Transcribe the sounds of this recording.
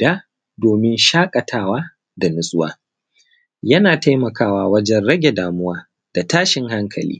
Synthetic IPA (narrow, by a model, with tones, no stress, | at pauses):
daː˦ | doː˨mɪ˦nʃaː˦kʼɐ˨tʰaː˦waː˦ | da˨nʊ˦sʼʊ˦wa̰ː˦ | jɐ˦naː˨ta˦jmɐ˨kaː˦waː˦wɐ˦d͡ʒɛ˦nɽɐ˦ɡʲe˨daː˨mʊ˦waː˦ | d̥a˨taː˦ʃɪ˨ŋha˦ŋkʰɐ̰˨lḭː˦